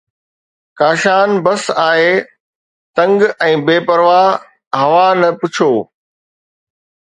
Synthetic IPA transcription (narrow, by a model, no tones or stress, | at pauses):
kaːʃaːnbɐsaːɦeː | t̪ɐ̃ŋɡɛ̃ːbeːpɐɾʋaː | ɦɐʋanɐpʊt͡ɕʰoː